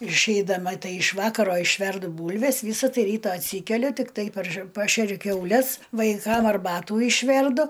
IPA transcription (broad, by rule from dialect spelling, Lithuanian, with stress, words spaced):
ɪr ɪʃʲɛɪdɐˈmɐ ˈtɐɪ ɪʃ ˈʋɑːkɐroː ɪʃʲˈʋʲɛrdʊ ˈbuːlʲʋʲɛs ˈʋʲiːsɐ ˈtɐɪ ˈrʲiːtɐ ɐtʲˈsʲiːkʲɛlʲʊ tʲɪkˈtɐɪ pɐrʃ ˈpɑːʃʲɛrʲʊ kʲɛʊˈlʲɛs ʋɐɪˈkɐm ɐrˈbɑːtuː ɪʃʲˈʋʲɛrdʊ